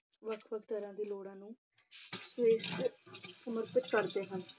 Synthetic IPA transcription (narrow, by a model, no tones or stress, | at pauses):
ʋəkʰʋəkʰt̪əɾãːd̪iːloːɽãːnũː | seːʃt̪səməɾt̪ɪt̪kəɾd̪eːɦən